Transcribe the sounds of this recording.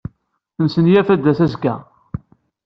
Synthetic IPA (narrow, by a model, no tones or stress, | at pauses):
θənsənjæfæd̪ːæsæzɡæ